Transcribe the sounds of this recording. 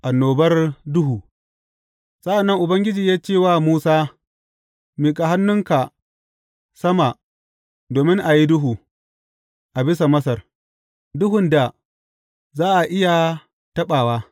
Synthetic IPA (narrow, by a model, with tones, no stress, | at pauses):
ʔa˨nːoː˨bɐ˦rdʊ˦ɦuː˨ | sɐ˦ʔa˨nːɐ˦ŋʔʊ˨bɐ˦ŋɡʲɪ˦d͡ʒiː˨jaː˦t͡ʃeː˦˨waː˦muː˦saː˦ | miː˨kʼa˨ɦa˦nːʊ˦ŋka˨ | sɐ˦ma˨ | doː˨mɪ˦ŋʔa˨ji˦dʊ˦ɦuː˨ | ʔa˨bɪ˦s̬a˨mɐ˦sɐ˨r | dʊ˦ɦʊ˨nda˨ | zaː˦ʔa˨ʔɪ˦ja˨ | tɐ˦ɓaː˨waː˦